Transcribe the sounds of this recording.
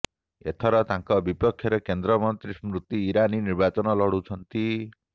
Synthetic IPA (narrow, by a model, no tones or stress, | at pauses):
et̪ʰɔɾɔt̪aŋkɔbipɔkʰjɔɾekend̪ɾɔmɔnt̪ɾismɾut̪ːiːɾaniniɾbat͡ʃɔnɔlɔɽut͡ʃʰɔnt̪i